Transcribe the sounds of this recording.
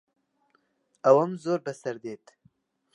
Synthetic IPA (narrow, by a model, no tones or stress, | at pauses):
awɐmzoːɾbəsɐɾd̪eːt̪